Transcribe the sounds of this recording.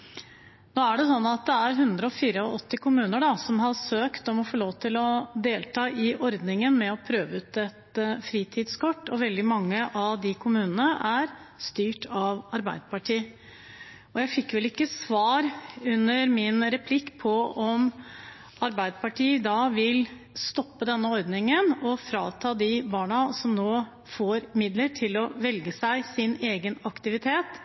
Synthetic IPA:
noːæɖɛsɔnːɑt̪̚d̪ɛæɾɦʉnd̪ɾəɔfiːɾəɔʔɔt̪ːɪkʊmʉːnəɖɑsɔmɦɑsøːkt̪ɔmɔfoːloːʋt̪ʰɪlɔd̪eːlt̪ʰɑːʔɪʔɔɾd̪nɪŋənmɛɔpʰɾøːʋəʉːt̪ɛt̪əfɾiːt̪ʰɪːd̪skʰɔʈːɔʋɛld̪ɪmɑŋːəʔɑʋd̪ɪkʰʊmʉːnənəʔæɾ | st̪yːʈʰɑʋɑɾbæɪd̪əpɑʈʰiː | ɔjæɪfɪkːʋɛlɪkːəsʋɑːɾʉnːəɾmɪnɾɛpʰlɪkːpʰɔɔm | ɑɾbæɪd̪əpɑʈʰiːd̪ɑʋɪl | st̪ɔpːəd̪ɛnːəɔɾd̪nɪŋənɔfɾɑ̰ːt̪ʰɑːd̪ɪbɑːɳɑsɔmnoː | foːɾmɪd̪ləʈʰɪlɔʋɛlɡəsæɪsɪneːɡənɑkt̪ɪʋɪt̪ʰeːt̪

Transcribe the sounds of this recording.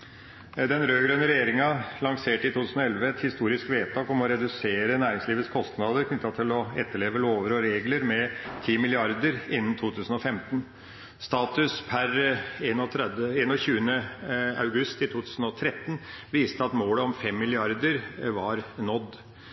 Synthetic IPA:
d̪ɛnɾøːɡɾønəɾɛjeːɾɪŋɑlɑŋseːʈɪt̪ʰut̪ʉːsn̩ɔɛlʋəɛt̪hɪst̪uːɾɪskʋeːtt̪ʰɑːkɔmɔɾɛd̪ʉseːɾənæːɾɪŋsliːʋət̪skʰɔst̪nɑːd̪əɾkʰnʏt̪ːɑt̪ʰɪlɔɛt̪ːəɭeːʋəloːʋəɾoːɾeːɡləɾmɛt̪ʰiːmɪlɪɑɾd̪əɾɪnːənt̪ʰuːt̪ʰʉːsən̩ɔfɛmt̪ən | st̪ɑːt̪ʉspʰæɾeːnɔt̪ʰɾɛd̪əeːnɔçʉːənəɑ̰ʉɡʉst̪ɪt̪ʰuːt̪ʰʉːsn̩ɔt̪ʰɾɛt̪ːənʋiːst̪əɑt̪moːləɔmfɛmːɪlɪɑɾd̪əɾʋɑɾnɔd̪ː

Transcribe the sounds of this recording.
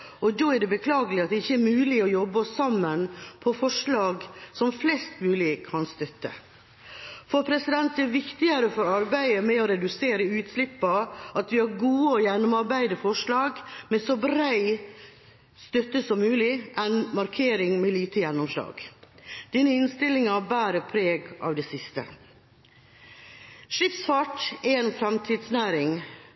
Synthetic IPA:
ʔɔd̪oːæɖɛbəkʰlɑːɡəlɪɑt̪̚d̪ɛɪçːəæɾmʉːlɪɔjɔbːəsɑmːənpʰɔfɔʂlɑːɡsɔmflɛst̪mʉːlɪkʰɑnst̪œt̪ːə̰ | fɔɾpʰɾɛsɪd̪ɛnt̪ɛɾʋɪkt̪ɪəɾəfɔɾɑɾbæɪəmɛɔɾɛd̪ʉseːɾəʉːt̪slɪpːɑʔɑt̪ʋɪhɑɾɡuːəɔjɛnːʊmɑɾbæɪd̪əfɔʂlɑːɡmɛsɔbɾæɪ | st̪œt̪əsɔmːʉːlɪʔɛnmɑɾkʰeːɾɪŋmɛliːt̪əjɛnːɔmslɑ̰ːɡ̥d̪̥iːnəɪnst̪ɪlːɪŋɑbæːɾəpʰɾeːɡʔɑ̰ːʋd̪ɛsɪst̪ə̰ | ʂɪfsfɑʈɛɛːnfɾɛmt̪ʰiːd̪snæːɾɪŋ

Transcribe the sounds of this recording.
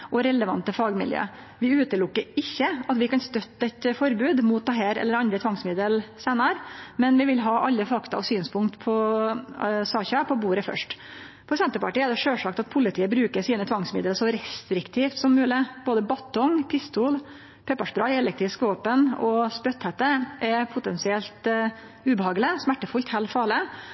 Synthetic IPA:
ʔɔɾɛləʋɑ̰nt̪əfɑːɡmɪ̰ljø̰ː | ʋɪʉːt̪əlʊkːəɾɪçːəɑt̪ʋɪkɑnst̪œt̪ːəɛt̪fɔɾbʉːd̪mut̪̚d̪ɛɦæːɾɛ̰lːəɾɑnd̪ɾət̪ʰʋɑŋsmɪd̪əlsæːnəɾmɛnʋɪʋɪlɦɑʔɑlːəfɑkt̪ɑɔ̰ʋsyːnspʰʊŋkt̪pʰɔ | sɑːçɑpʰɔbuːɾəfœ̰ʂʈ | pʰɔsɛnt̪əɾpɑʈiːɛɖ̪ɛʂøːʂɑkt̪ɑt̪̚pʰʊlɪt̪ʰiːəbɾʉːkəɾsiːnət̪ʰʋɑŋsmɪ̰d̪əlsɔɾɛst̪ɾɪkt̪ʰiːft̪sɔmːʉːlɪb̥oːd̪əbɑt̪ʰɔŋpʰɪst̪uːl | pʰɛpːəʂbɾɑɪɛlɛk̚t̪ɾɪskʋoːpənɔspœt̪hɛt̪ːəʔɛpʰʊt̪ɛnsɪɛlt̪ | ʉːbəhɑːɡlɪsmæʈːəfʊlt̪hɛːlfɑːlɪ

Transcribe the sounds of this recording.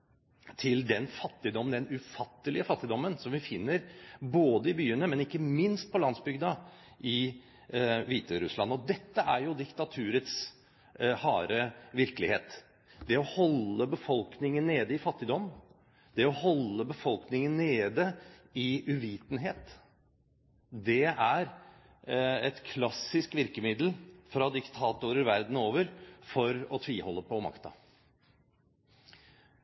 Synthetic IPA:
t̪ʰɪld̪ɛnfɑt̪ːɪd̪ɔmənd̪ɛnʉfɑt̪ːəlɪəfɑt̪ːɪd̪ɔmːənsɔmʋɪfɪnːəɾboːd̪əɪbyːənəmɛnɪkːəmɪnst̪̚pʰɔlɑnsbʏɡd̪ɑ | ʔɪ | ʋiːt̪əɾʉslɑ̰nːɔd̪ɛt̪ːəæɾjʊd̪ɪkt̪ɑt̪ʰʉːɾət̪s | hɑːɾəʋɪɾkəlɪhḛːt̪ | d̪ɛɔhɔlːəbəfɔlknɪŋənːeːd̪əɪfɑt̪ːɪd̪ɔm | d̪̥ɛɔhɔlːəbəfɔlknɪŋənneːd̪əɪʉʋiːt̪n̩ɦeːt̪ | d̪ɛæɾ | ɛt̪kʰlɑsɪskʋɪɾkəmɪd̪l̩fɾɑd̪ɪkt̪ʰɑːt̪ʊɾəɾʋæɾd̪n̩oːʋəɾfɔɾɔt̪ʰʋiːhɔlːəpʰɔmɑ̰kt̪ɑ̰

